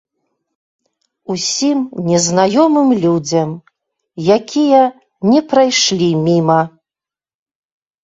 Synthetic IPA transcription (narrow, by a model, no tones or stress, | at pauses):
usʲimnʲɛznajɔmɨmlʲud͡zʲɐm | jakʲijɐ | nʲɛpɾajʂlʲimʲimɐ